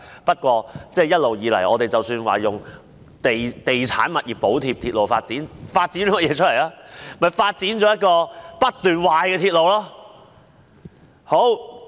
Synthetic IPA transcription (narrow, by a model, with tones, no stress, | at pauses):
pɐ˥t̚kʷɔː˧t͡sɛː˥˩jɐ˥t̚lo˨wjiː˨˧lɐ̰˨˩jʔɔ̰ː˨˧t̪e˨jt͡sɐ˨wsyː˧nwa̰ː˨jʊ˨˩ŋ | t̪e˨jt̪e˨˩jt͡sʰa̰ː˨˥nmɐ˨t̚jiː˨p̚pːo˨˥wt̪ʰiː˧p̚t̪ʰi˧t̚lo˨wfa̰ː˧t̚t͡siː˨˥nfaː˧t̚t͡siː˨˥nɔ˨˥kɔ˥jɛː˨˧t͡ʃʰɵ˥lɐ˨˩jlaː˥mɐ˨jfaː˧t̚t͡siː˨˥nt͡ʃɔː˨˥jɐ˥t̚kɔː˧pɐ˥t̚t̪yː˨nwaː˨jkɛː˧t̪ʰiː˧t̚lo˨˧wlɔː˥ | ho˨˥w